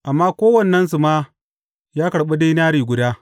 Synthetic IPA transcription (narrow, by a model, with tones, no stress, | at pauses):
ʔa˨mːaː˦kʷoː˦wɐ˦˨nː˨ɐ˦ns̬u˨maː˦ | jaː˦kɐ˨ɽɓa˦de˦jn˦aː˦ɽiː˨ɡʷʊ˨daː˦